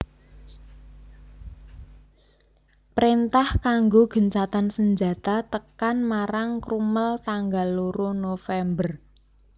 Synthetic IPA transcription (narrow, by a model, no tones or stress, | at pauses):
pɾint̪ahkaŋɡoɡ̥ə̤ɲt͡ʃat̪ansəɲd͡ʒa̤t̪at̪əkanmaɾaŋkɾuməlt̪aŋɡalːuɾonofɛmbər